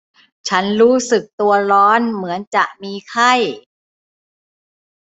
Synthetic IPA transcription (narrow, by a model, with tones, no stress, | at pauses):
t͡ɕʰa˦˥nɾuː˦˥sɯ˨˩k̚t̪u˧ɐɾɔː˦˥nmɯ˩˦ənt͡ɕa˨˩ʔ̚miː˧kʰa˥˩j